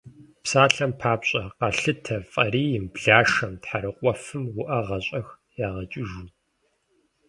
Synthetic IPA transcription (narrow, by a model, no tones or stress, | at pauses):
psaːɬɐmpʰaːpɕʼɐqɑɬɨtʰɐfʼɐriːjɪmbɮaːʂɐmtħaɾɨqʷʼɔfɨmwʷʊʔɐʁɐɕʼɐx | jaːʁɐt͡ʃʼɪʒuː